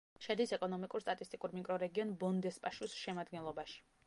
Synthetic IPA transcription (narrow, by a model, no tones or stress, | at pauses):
ʃɛd̪isɛkʼɔnɔmikʼuɾst̪ʼat̪ʼist̪ʼikʼuɾmikʼɾɔɾɛɡiɔnbɔnd̪ɛspʼaʃusʃɛmad̪ɡɛnlˠɔbaʃi̥